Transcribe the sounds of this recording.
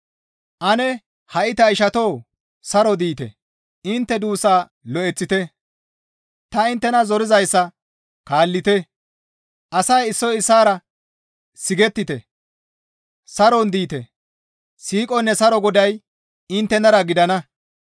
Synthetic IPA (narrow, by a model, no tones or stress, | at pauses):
ʔɐnɛ | hɐʔɪt̪ɐɪʃɐt̪o̞ː | sɐɾɔd̪iːt̪ɛ̰ | ɪnt̪ːɛd̪uːsaː | lɔʔɛt͡sːɪt̪ɛ | t̪ɐɪnt̪ːɛnɐzɔɾɪzɐjsːɐ | kaːlːɪt̪ɛ | ʔɐsɐjɪsːɔɪsːaːɾɐ | sɪɡɛt̪ːɪt̪ɛ̰ | sɐɾɔnd̪iːt̪ɛ̰ | siːkʼɔnːɛsɐɾɔɡɔd̪ɐj | ɪnt̪ːɛnɐɾɐɡɪd̪ɐnɐ